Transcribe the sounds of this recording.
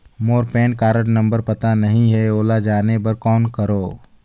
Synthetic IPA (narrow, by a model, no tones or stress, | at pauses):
moːɾpeːnkaːɾəʈnɐ̃mbəɾpɐt̪anɐɦĩɦɛoːlad͡ʒaːnepɐɾkɔːnkəɾoː